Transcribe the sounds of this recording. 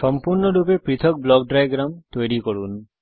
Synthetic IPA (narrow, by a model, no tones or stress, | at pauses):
sɔmpuɾnɔɖupepɾit̪ʰɔk̚blɔkɖɾajɡɾamt̪weɽikɔɾun